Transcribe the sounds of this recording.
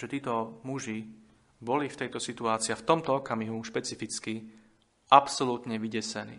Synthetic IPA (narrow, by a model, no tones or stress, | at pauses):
ʒɛt̪iːt̪ɔmuʒi | bɔlift̪ɛjt̪ɔsit̪uaːt͡siːaft̪ɔmt̪ɔɔkamiɦuʃpɛt͡sifit͡ski | ʔapsɔlut̪ɲɛʋiɟɛsɛnḭː